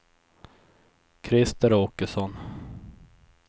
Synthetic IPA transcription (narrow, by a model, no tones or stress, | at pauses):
kʰɾɪst̪əɾoːkəsɔn